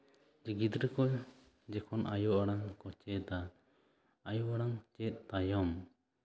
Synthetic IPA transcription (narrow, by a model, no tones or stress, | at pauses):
d͡ʒiɡid̪ɾəkɔ | d͡ʒɛkʰɔnʔajɔʔaɽaŋkɔt͡ʃɛt̪a | ajɔʔaɽaŋt͡ʃɛt̪̚ˀt̪ajɔm